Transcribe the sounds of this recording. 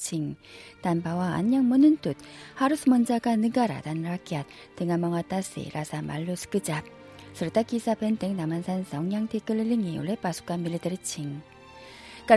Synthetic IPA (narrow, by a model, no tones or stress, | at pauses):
t͡ɕʰiŋtanbawaa̰ɲːaŋmɯnɯntut̚haɾusʰɯmʌnd͡ʑaɡanɯɡaɾa̰tanɾak͈iat̚ | tɯŋamaŋat͈asḭɾʔasʰama̰ɭːusʰɯ̥k͈ɯd͡ʑap̚ | sʰɯɾtakisʰapenteŋnamansʰansʌŋɲaŋtʰek͈ɯlːɯlːiŋiṵɭepasʰu̥k͈amilːitɯɾɯt͡ɕʰiŋ | k͈a